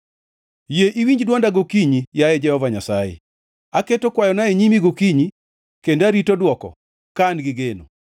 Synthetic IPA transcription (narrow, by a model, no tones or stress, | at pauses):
jeʔiwiɲd͡ʒdwɔndaɡokiɲijajɛd͡ʒɛhɔvaɲasajḛ | aketokwajɔnaeɲimiɡokiɲi | kendaɾitodwɔkɔ̰ | kanɡɪɡeno̰